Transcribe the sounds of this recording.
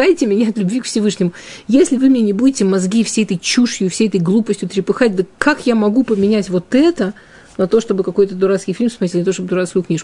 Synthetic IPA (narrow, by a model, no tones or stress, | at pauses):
ajtʲɪmʲɪnʲaɐt̪lʲʊbvʲikfsʲɪvɨʂnʲɪmʊ | jesʲlʲɪvɨmʲɪnʲenʲɪbudʲɪtʲɪmɐzɡʲifsʲejɛt̪əjt͡ɕuʂjʊfsʲejɛt̪əjɡlˠupəsʲtʲʊt̪ɾʲɪpɨxat̚ʲd̪əkakjamɐɡupəmʲɪnʲætʲvo̞t̪ɛt̪ə | nɐt̪o̞ʂt̪o̞bɨkɐko̞jt̪əd̪ʊɾat̪skʲɪjfʲilʲmsmɐɾʲet̪ʲnt̪oʂt̪obəd̪ʊɾat̪skʊjʊknʲiʂkʊ